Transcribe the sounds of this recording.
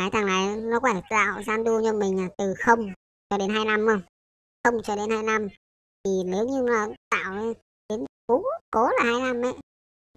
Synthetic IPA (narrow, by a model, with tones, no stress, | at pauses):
aː˨˦jt̪ʰaː˨˩ŋna˨˦jnɔ˨˦kɔ˨˦a˧˨˧t̪a̰ː˧˨wzaː˧nɗu˧əɲə˧nmï˨˩ŋlaː˨˩t̪ɨ˨˩xə˧wŋ͡m | t͡ɕɔ˧ɗe˨˦nɦaː˧jna˧mə˧w | xə˧wŋ͡mt͡ɕɔ˧ɗe˨˦nhaː˧jna˧m | t̪i˨˩ni˨˦wɲɨ˧maː˨˩t̪a̰ː˧˨w | ɗe˨˦nku˨˦ko˨˦laː˨˩haː˧jna˧mʔə̰˧˨